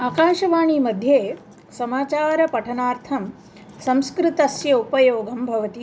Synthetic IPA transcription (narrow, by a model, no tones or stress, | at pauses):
aːkaːʃɐʋaːɳimɐd̪ʱjeː | sɐmaːt͡ʃaːɾɐpɐʈʰɐnaːɾt̪ʰɐm | sɐ̃mskɾɪt̪ɐsjɐupɐjoːɡɐmbʱɐʋɐt̪i